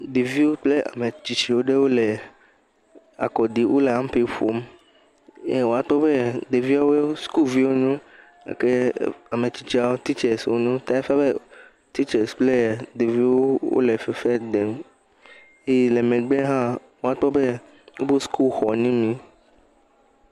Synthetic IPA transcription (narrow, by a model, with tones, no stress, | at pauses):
d̪e˨vi˦wo˦k͡ple˦a̰˨me˨t͡ʃi˨t͡ʃi˨wo˦ɖe˦wo˦le˨ | a̰˨kɔ˨d̪i˨wʔo˦le˨ã˦m˦pe˦ɸo˦m | e˦wo˨a˦t̪ɔ˦be˦d̪e˨vi˦a˦we˦o˦sku˦lvi˦wo˦ɲũ˦ | a̰˨ke˦a˨mẽ˨t͡ɕi˨˦t͡ʃi˦a˦wo˦t̪i˦t͡ʃɛ˨swo̰˦ɲũ˦t̪a˦e˦fa˦be˦ | t̪i˦t͡ʃɛ˨sk͡ple˦˨d̪e˨vi˦wo˦wo̰˦le˨fe˨fɛ˦d̪e˨m | e˦˨le˨mẽ˨ɡ͡be˦ɦã˦ | wo˨a˦t̪ɔ˦be˦ | wo˦bo˦skʰu˦lxɔ˨nĩ˦nĩ˦